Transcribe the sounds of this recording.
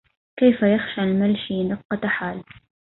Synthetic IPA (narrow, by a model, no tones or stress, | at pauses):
kajfajaxʃalmalʃid̪ɑqːɑt̪aħaːl